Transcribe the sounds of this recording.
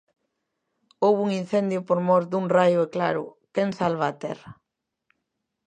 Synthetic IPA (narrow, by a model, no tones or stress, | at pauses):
owβuŋin̟θend̪jʊpoɾmɔɾd̪uŋrajʊeklaɾʊ̰keŋsalβaːt̪ɛ̰rɐ